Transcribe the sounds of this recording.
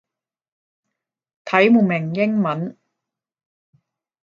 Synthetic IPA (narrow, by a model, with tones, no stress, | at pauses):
t̪ʰɐ˨˥jmuː˨˩mɪ˨˩ŋjɪ˥ŋmɐ˨˥˦n